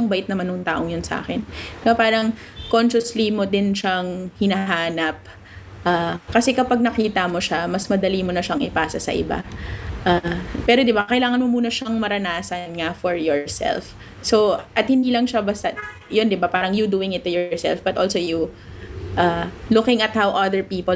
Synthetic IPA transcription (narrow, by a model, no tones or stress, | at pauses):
ɐŋbɐʔɪt̪nɐmanːʊŋt̪a̰ːʔo̞ŋjonsɐʔa̰ːkɛnɡɐpaːɾɐŋ | konʃɐslimod̪ɪnʃaŋhɪnɐɦaːnɐp̚ | ʔaːkɐsɛkɐpaɡ̚nɐkiːt̪ɐmoʃamɐsmɐd̪ɐlimonɐʃaŋʔɪpaːsɐsɐ̰ʔɪ̰ba̰ʔaːpɛːɾo̞d̪ɪbakɐjlaːŋɐnmomuːnɐʃaŋmɐɾɐnaːsɐnŋafɔɹjɔɹsɛ̰lf | soʔɐt̪̚hɪnd̪iːlɐŋʃabɐst̪ɐ | jond̪ɪbapaːɾɐŋjud̪uːɪŋɪt̪ːʊjɔɹsɛ̰lfbɐt̪ʔolsoju | ʔaːlukɪŋɐt̪̚hawʔɐðɛɹpiːpol